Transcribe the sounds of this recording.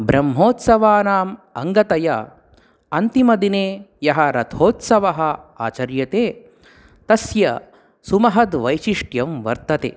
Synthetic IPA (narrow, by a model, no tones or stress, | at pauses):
bɾɐmɦoːt̪sɐʋaːnaːmɐŋɡɐt̪ɐjɐ | ɐnt̪imɐd̪ineːjɐɦɐɾɐt̪ʰoːt̪sɐʋɐɦɐa̰ːt͡ʃɐɾjɐt̪eː | t̪ɐsjɐ | sumɐɦɐd̪ʋɐjʃiʂʈjɐmʋɐ̰ɾt̪ɐt̪ḛː